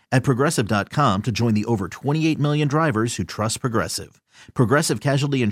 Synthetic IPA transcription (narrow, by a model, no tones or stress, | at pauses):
ɨt̚pʰɹ̥ɨɡɹɛsɨvdɑt̚kʰɑ̃mtʰɨd͡ʒɔ̃ɪ̃nðiʔoʊvə˞tʰw̥ɛ̃ɾ̃ieɪt̚mɪlˠjɨ̃ndɹaɪvə˞z̥hʉtʰɹ̥ʌspʰɹ̥ɨɡɹɛ̰sɪ̰v̥ | pʰɹ̥əɡɹɛsɨv̥kʰæʒwl̩ˠiɨ̃n